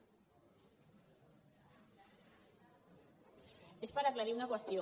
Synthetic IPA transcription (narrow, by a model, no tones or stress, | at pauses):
espaɾaplaðiunakwəst̪jo